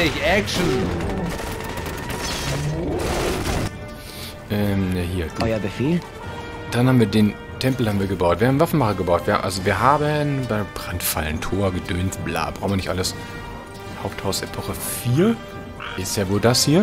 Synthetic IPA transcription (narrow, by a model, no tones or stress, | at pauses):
ɪçɛkʃn̩ | ʔɛːmnaɦiːɐ̥ɔjabəfeːl | d̥anhabm̩viːɐdeːn | tʰɛmpl̩haːbm̩viːɐɡəbaʊtviːɐhaːbm̩nvafn̩maχəɐɡəbaʊtv̥iːhʔa̰lzoviːɐɦaːbənbaɪbʁ̥antfa̰lntʰoːɐɡədøːntb̥la̰ːb̥ʁaʊxnvɪnnɪçtʔaləs | haʊp̚thaʊsepʰɔχə | fiːɐ | ʔɪstjaːvoːldashiːɐ